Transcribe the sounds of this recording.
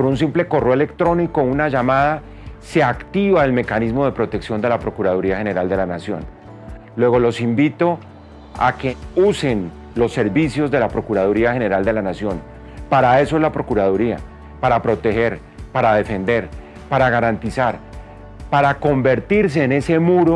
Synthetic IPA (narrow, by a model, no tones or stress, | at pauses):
poɾunsimple̞ko̞reoele̞kt̪ɾo̞niko̞unaʝamaða | se̞akt̪iβaelme̞kanizmo̞ð̞e̞pɾo̞t̪e̞ksjo̞nd̪e̞lapɾo̞kuɾað̞uɾiaxe̞ne̞ɾald̪e̞lanasjo̞̰n | lwe̞ɣo̞lo̞simbit̪o̞ | a̰keuse̞n | lo̞sːe̞ɾβisjo̞zd̪e̞lapɾo̞kuɾaðuɾiaxe̞ne̞ɾald̪e̞lanasjo̞n | paɾae̞soezlapɾo̞kuɾað̞uɾia̰ | paɾapɾo̞t̪e̞he̞ɾ | paɾaðe̞fe̞nd̪e̞ɾ | paɾaɣaɾant̪isaɾ | paɾako̞mbe̞ɾt̪iɾs̬e̞ːne̞se̞muɾo̞